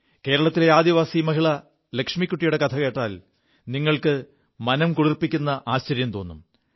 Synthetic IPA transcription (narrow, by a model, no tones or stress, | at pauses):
ke̞ːɾɐɭɐt̪ːileaːd̪iʋaːsimɐɦiɭɐ | lekʂmikʲːuʈːijuɽe̞kɐt̪ʰɐke̞ːʈːaːl | niŋːɐɭkɨ | mɐnɐmkuɽirpːikʲːunːɐʔaːɕt͡ɕɐɾjɐmt̪o̞ːnːum